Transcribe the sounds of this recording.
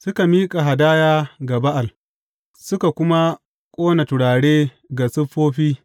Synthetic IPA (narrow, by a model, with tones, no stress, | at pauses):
sʊ˦ka˨miː˦kʼa˨ɦa˨daː˦jaː˦ɡa˨ba˦ʔa˨l | sʊ˦ka˨kʷʊ˦ma˦ | kʷʼoː˦na˨tʊ˨ɽaː˨ɽeː˦ | ɡa˨sʊ˦ɸːoː˦ɸiː˦